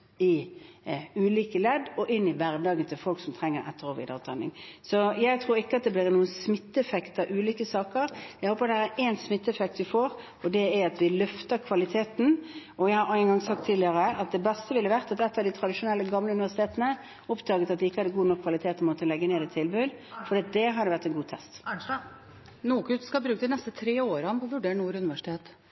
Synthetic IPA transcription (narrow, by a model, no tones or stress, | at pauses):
ɪ | ʉːliːkəlɛd̪ɔʔɪnːɪʋæɾd̪ɑːɡənt̪ʰɪlfɔlksɔmt̪ʰɾɛŋːəɾɛ̰t̪ːəɾoːʋḭd̪ɑ̰t̪ʰɑnːɪ̰ŋsɔjæɪt̪ʰɾuːɾɪkːəɑt̪̚d̪ɛblɪːɾnuːənsmɪt̪ːəɛfɛkt̪ɑʔʉːliːkəsɑːkəɾjæɪhoːpəæɾæɾɛnsmɪt̪ːəɛfɛk̚t̪ʋɪfoːɾ | ɔd̪ɛæɾɑt̪ʋɪlœft̪əkʰʋɑlɪt̪ʰeːt̪n̩ɔjæɪhɑɾɑɪənɡɑŋsɑk̚t̪ʰːɪlɪəɾəʔɑt̪̚d̪ɛbɛst̪əʋɪlːəʋæɾt̪ɑt̪ɛt̪ːɑʋd̪ɪt̪ʰɾɑd̪ɪʂʊnɛlːəɡɑmləʉnɪʋæʂɪt̪eːt̪ənə | ɔpd̪ɑːɡət̪ɑt̪d̪ɪɪkːəɑd̪əɡuːnɔkʰːʋɑlɪt̪ʰeːt̪nmɔt̪ːəlɛɡːəneːd̪ɛt̪ʰɪlbʉd̪fɔɾɖiːɑt̪̚d̪ɛɦɑɾɖ̪ɛʋæɾt̪ɛnɡuːt̪ʰɛst̪ | nuːkʉt̪skɑbɾʉːk̚d̪ɪnɛst̪ət̪ʰɾeːoːɾəɑnpʰɔʋʉɖeːɳnuːɾʉnɪʋæʂɪ̥t̪ʰeːt̪